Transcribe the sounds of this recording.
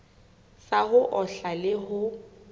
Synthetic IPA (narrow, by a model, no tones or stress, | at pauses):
saɦʊʔɔɬalɪɦʊ